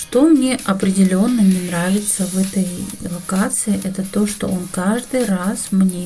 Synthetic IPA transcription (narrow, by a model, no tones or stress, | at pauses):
ʂt̪o̞mnʲe̞ʔɐpɾʲɪdʲɪlʲo̞nːənʲɪnɾavʲɪt̪səvɛt̪əjvˠɐkat̪sɨɪʔɛt̪ət̪o̞ʂt̪o̞̰ʔonkaʐd̪ɨjrasmnʲe